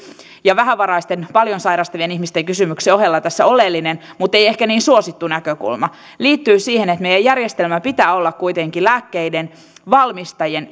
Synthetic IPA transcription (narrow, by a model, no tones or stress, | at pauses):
jɑʋæɦæʋɑɾɑist̪enpɑljonsɑiɾɑst̪ɑʋienihmist̪eŋkysymykseohelːɑt̪æsːæolelːinenmut̪ːˑeijehkæniːnsuosit̪ːunækøkṵlmɑ | liːt̪ːyːsiːhenet̪mejˑæjærjest̪elmæpit̪æːolːɑkkuit̪eŋkilæːkːeiden | ʋɑlmist̪ɑjen